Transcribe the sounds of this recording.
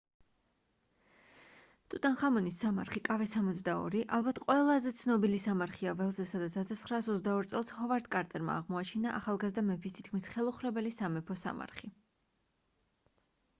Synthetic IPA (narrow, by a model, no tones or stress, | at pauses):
t̪ʼut̪ʼanχamɔnisːama̰ɾχikʼavɛsamɔt̪sʰd̪aɔ̰ɾiʔalˠbat̪ʰqʼwɛlˠazɛt̪sʰnɔbilisamaɾχiavɛlˠzɛsad̪at̪sʰasʰat̪sʰχɾaːsɔzd̪aɔɾt̪sʼɛlˠshɔvaɾd̪kʼaɾt̪ʼɛɾma̰ːʁmɔat͡ʃʰinaʔaχalˠɡazd̪amɛpʰist̪ʰit̪̚ʰkʰmisχɛlˠuχɾɛbɛlisamɛpʰɔsa̰ma̰ɾχi